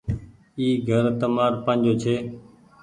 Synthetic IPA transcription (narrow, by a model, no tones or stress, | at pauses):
iːɡʱəɾt̪əmaːɾpə̃ːnd͡ʒoːt͡ʃʰeː